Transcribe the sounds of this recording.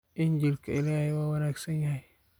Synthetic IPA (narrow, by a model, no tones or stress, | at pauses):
ʔɪɲd͡ʒilkɐɪlahɪwawɐnaksɐnjahi